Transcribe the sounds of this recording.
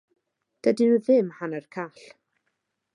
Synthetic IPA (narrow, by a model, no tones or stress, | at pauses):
d̥ədɪðɪmhanərkʰaɬ